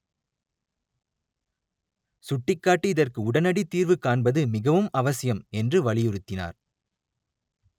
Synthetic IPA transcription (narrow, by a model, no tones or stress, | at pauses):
sʊʈːɪkːaːʈːɯɪðɐrkɯʊɽɐnɐɽit̪ːiːɾʋɯkaːɳbɐðɯmɪɣɐʋɯmɐʋɐsɪjɐmɛndrɯʋɐɭɪjɯɾɯt̪ːɪna̰ːɾ